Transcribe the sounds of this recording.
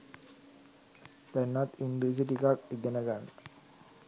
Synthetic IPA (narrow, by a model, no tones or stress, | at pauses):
t̪ænːat̪inɖis̬iʈikak̚iɡenəɡanːə